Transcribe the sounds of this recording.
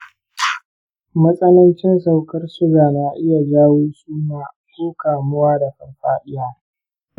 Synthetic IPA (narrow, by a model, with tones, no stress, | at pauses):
mɐ˦sʼɐ˦nɐ˦nt͡ʃɪ˦nsa˦˨wkɐ˦rsʊ˦ɡaː˨naː˨ʔɪ˦ja˨d͡ʒaː˦woː˦suː˦naː˨ | soː˦kaː˨mʊ˦waː˦da˨ɸɐ˨rɸaː˦ɗɪ˦jaː˦